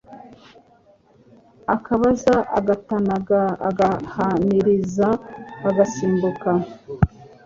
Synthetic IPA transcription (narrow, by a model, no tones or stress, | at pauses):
akaβazaʔa̰ɡatanaɡaaɡahaniɾizaːɡasiːmbuka